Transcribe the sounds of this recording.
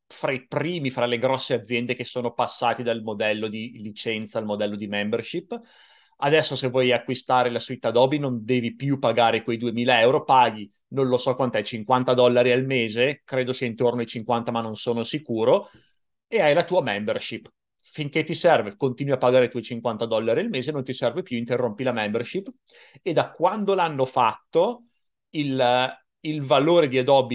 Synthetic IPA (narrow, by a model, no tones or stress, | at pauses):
fɾaipɾiːmifɾaleɡɾɔsːead̪zːjɛnd̪ekesːoːnopasːaːt̪id̪almod̪ɛlːod̪ilit͡ʃɛnt̪salmod̪ɛlːod̪imɛmberʃipː | ad̪ɛsːosevːwɔjakːwist̪aːɾelasit̪ːad̪ɔbinond̪ɛːvipjupaɡaːɾekwejd̪uemiːlaɛwɾopaːɡi | nõnlosɔkwant̪ɛt͡ʃiŋkwant̪ad̪ɔlːaɾialmeːzekɾeːd̪osiɛint̪ornoajt͡ʃiŋkwant̪amanːonsoːnosikuːɾo | eajlat̪uːamɛmberʃipː | fiŋket̪ːisɛrvekont̪iːnwiapːaɡaːɾeit̪uɔjt͡ʃiŋkwant̪ad̪ɔlːaɾialmeːzenont̪isɛrvepjuint̪erːompilamɛmberʃipː | ed̪akwand̪olanːofat̪ːo | il | ilvaloːɾed̪iad̪ɔbi